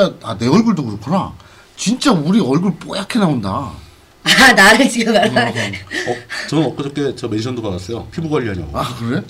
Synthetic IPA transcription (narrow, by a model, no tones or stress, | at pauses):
aane̞ʌɭɡɯɭdokɯɾokʰona̰ | t͡ɕint͡ɕ͈auɾiʌɭɡɯɭp͈ojakʰenaonda̰ | anaɾad͡ʑiɡamaɾ | ʌt͡ɕʌnʌk͈ʌd͡ʑʌk͈e̞t͡ɕʌmeɕʰʌndoɡaɡas͈ʌjopʰibuɡwaʎːiɦaɲ̰akɯɾe̞